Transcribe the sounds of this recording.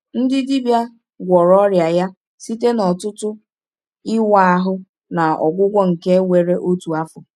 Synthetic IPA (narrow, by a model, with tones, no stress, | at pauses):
n̩˦dɪ˦di˦bja˦ | ɡʷɔ˨ɾɔ˦ɾja˨ja˦ | si˦te˦nɔ˨tʊ˦tʊ˦ | ɪ˦wa˦a˦ɦʊ˦ | na˨ɔ̰˨ɡʷʊ˦ɡʷɔ˦ŋ̩˨ke˦wʷe˨ɾe˦ʔo˦tu˨a˦fʊ˨